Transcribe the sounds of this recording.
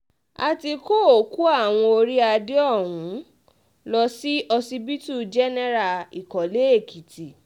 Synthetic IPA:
a˨ti˧ko˦o˨ku˦a˦˨w̃ɔ̃˧o˧ɾi˦a˧de˦ɔ˦˨ɦũ˨˦ | lɔ˧si˦ʔɔ˧si˧bi˦tu˦˨d͡ʒɛ˦nɛ˦ɾa˨i˨kɔ˨le˨˦e˦˨kʰi˨ti˨

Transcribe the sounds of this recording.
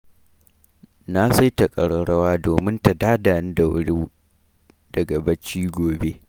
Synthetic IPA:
na˦sa˦jtɐ˨kʼɐ˨ɽɐ˨ɽɐ˦waː˦doː˨mɪ˦nta˨daː˦daː˨nɪ˦da˨wʊ̰˦ɽi˦ | dɐ˨ɡɐ˨bɐ˦t͡ʃːiː˦ɡʷoː˨be˦

